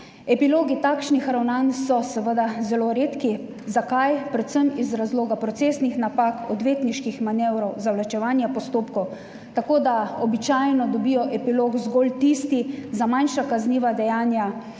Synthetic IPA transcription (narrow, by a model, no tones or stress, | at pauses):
ɛpiloːɡit̪aːkʃnixɾawnansɔsɛʋəd̪azɛloɾeːt̪ki | zakajpɾɛt̪səmizɾazloːɡapɾɔt̪seːsnixnapakɔd̪ʋeːt̪niʃkixmanɛwɾɔwzawlat͡ʃɛʋaːnjapɔst̪oːpkɔw | t̪akoːd̪aɔbit͡ʃajnɔd̪ɔbiːjɔʔɛpilokzɡolt̪ist̪izamajnʃakazniːʋad̪ɛjaːnja